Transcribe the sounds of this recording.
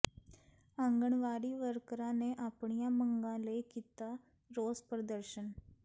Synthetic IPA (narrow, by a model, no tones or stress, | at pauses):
ãŋɡəɳʋaːɾiːʋəɾkɾãːneːʔaːpɳijãːməŋɡãːləiːkiːt̪aː | ɾoːzpɾəd̪əɾʃən